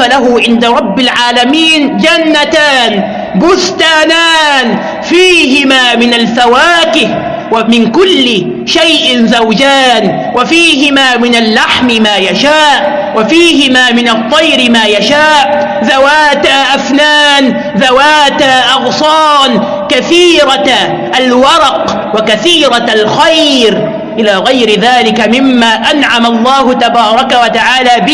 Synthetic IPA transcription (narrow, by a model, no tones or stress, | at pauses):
alaɦʊʕɪnd̪aɾˤɑbːɪlʕaːlamiːnd͡ʒanːat̪aːn | bʊst̪aːnaːn | fiːɦɪmaːmɪnalfawaːkɪh | wamɪnkʊlːɪ | ʃajʔɪnzawd͡ʒaːn | wafiːɦɪmaːmɪnalːaħmɪmaːjaʃaːʔ | wafiːɦɪmaːmɪnɑt̪ˤːɑjɾɪmaːjaʃaːʔ | ðawaːt̪aːʔafnaːn | ðawaːt̪aʔɑɣsˤɑːn | kaθiːɾa | ʔalwɑɾˤɑq | wakaθiːɾɑalxajɾ | ʔɪlaːɣajɾɪðaːlɪkamɪmːaːʔanʕamalˤːɑːɦʊt̪abɑːɾˤɑkawat̪aʕaːlaːbɪ